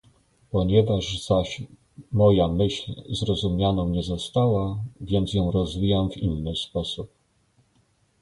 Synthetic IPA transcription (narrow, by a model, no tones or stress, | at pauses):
pɔɲɛvaʐz̥aɕ | mɔjamɘɕlʲzɾɔzumʲjanɔ̃w̃ɲɛzɔst̪awavʲjɛnt̪sjɔ̃w̃ɾɔzvʲijamvḭnːɘspɔsup̚